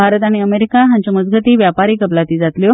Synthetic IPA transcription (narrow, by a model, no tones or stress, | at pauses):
bʱaɾət̪aɽ̃iəmeɾikaɦãɲt͡ɕeməd͡zɡʱət̪iːʋjapaɾiːkəplat̪iːd͡zat̪ljo